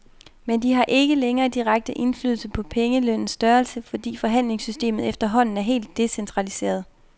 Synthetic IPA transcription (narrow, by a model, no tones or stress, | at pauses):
mend̥iɦɑ̈ʔe̝ɡ̥əleŋɐːd̥iʁaɡ̥̚d̥əʔe̝nfly̰ðˠl̩səpʰɒ̽pʰeŋəløn̰n̩sːd̥ɶɐlsəfɒ̽d̥ḭːfɒ̽ɦæn̰le̝ŋsysd̥e̝̰ːmð̩ˠefd̥ɐɦɒ̽n̰n̩æɐɦe̝̰ːld̥ːe̝sent͡sʰʁɑ̈lise̝̰ːɐð̞ˠ